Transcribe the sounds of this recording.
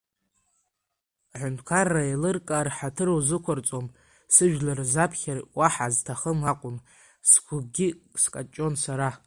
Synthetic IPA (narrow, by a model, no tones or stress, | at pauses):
ħʷʊntʰkʰarːaelɨrkʼarħatʰɨrowzɨkʷʰart͡sʼom | sɨʒᶣlarzapʰχʲarwaħaztʰaχəmaqʷʼʊm | skʷʰʊb̚ɡʲɪskʼat͡ʃʼo̞nsaɾa